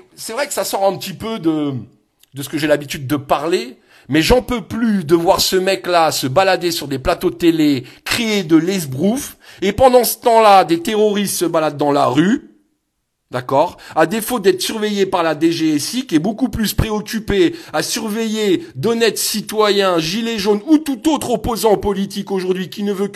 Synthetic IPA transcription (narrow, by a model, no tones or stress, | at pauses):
sɛvʁɛkə̥sasɔʁɛ̃pət̪ipød̪ə | d̪əsə̥kəʒelabit̪yd̪̚ːəpaʁle | mɛʒɑ̃pøplyd̪əvwaʁsəmɛklasəbalad̪esyʁd̪eplat̪ot̪elekχeed̪əlɛzbʁufepɑ̃d̪ɑ̃sə̥t̪ɑ̃lad̪et̪eʁɔʁist̪səbalad̪ːɑ̃la̰ʁy | d̪akɔʁad̪efod̪ɛt̪χəsyʁvejepaʁlad̪eʒesikʲiɛbokuplyspχeɔkʲypeasyʁvejed̪ɔnɛt̪sit̪wajɛ̃ʒileʒonut̪ut̪ot̪χɔpozɑ̃pɔlit̪ikoʒuʁd̪ɥikʲinəvø